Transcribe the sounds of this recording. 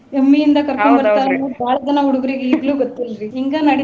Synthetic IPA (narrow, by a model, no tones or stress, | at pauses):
emːijind̪ɐkɐɾkombɐɾt̪aːɐnubʱaːɭɐd͡ʒɐnɐɦuɽuɡɐɾiɡeiːɡluːɡot̪ːilɾiiŋɡaːnɐɽi